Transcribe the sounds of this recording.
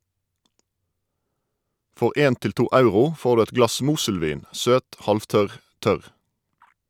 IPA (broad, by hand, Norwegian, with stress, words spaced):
ˈfɔʁ ˈeːn ˈtɪl ˈtuː ˈɑʉʁʊ ˈfoːʁ ˈdʉː ˈɛt ˈɡlɑs ˈmuːsəlˌʋiːn ˈsøːt ˈhɑlfˌtœʁ ˈtœʁ